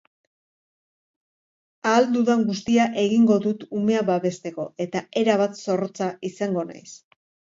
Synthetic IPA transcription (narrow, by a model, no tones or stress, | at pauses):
aːld̪uðaŋɡust̪iaʔe̞ɣiŋɡo̞ðut̪ume̞aβaβe̞st̪e̞ko̞̰e̞t̪ae̞ɾaβat̪so̞rot͡saisaŋɡo̞na̰js